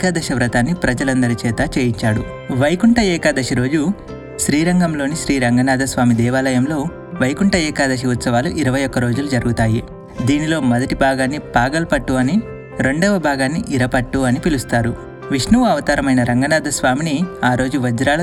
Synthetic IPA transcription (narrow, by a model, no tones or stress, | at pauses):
kaːd̪ɐʃɐʋɾɐt̪aːnːipɾɐd͡ʒɐlɐnd̪ɐɾit͡ʃɛːt̪ɐt͡ʃeːjiɲt͡ʃaːɽu | ʋɐjkuɳʈɐɛːkaːd̪ɐʃiɾo̞ːd͡ʒu | ʃɾiːɾɐŋɡɐmlo̞ːniʃɾiːɾɐŋɡɐnaːd̪ʱɐsʋaːmid̪ɛːʋaːlɐjɐmlo̞ː | ʋɐjkuɳʈɐɛːkaːd̪ɐʃ̬iut̪sɐʋaːluʔiɾɐʋɐjɔkːɐɾo̞ːd͡ʒulud͡ʒɐɾuɡut̪aːji | d̪iːnilo̞ːmɐd̪ɐʈibʱaːɡaːnːipaːɡɐlɐpɐʈːuɐni | ɾe̞ɳɖoːʋɐbʱaːɡaːnːiʔiɾɐpɐʈːuɐnipilust̪aːɾu | ʋiʂnuʋɐʋɐt̪aːɾɐmɐjnɐɾɐŋɡɐnaːd̪ʱɐsʋaːminiaːɾo̞ːd͡ʒuʋɐd͡ʒɾaːlɐ